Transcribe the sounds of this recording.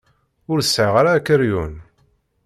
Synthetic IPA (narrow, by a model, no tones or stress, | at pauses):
ʊɾəsːʕəʁaɾaːkːəɾjun